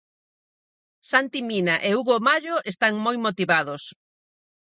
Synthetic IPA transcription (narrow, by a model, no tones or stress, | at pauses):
sant̪iminaʔeuɣomaʎoʔest̪aŋmojmot̪iβaðʊs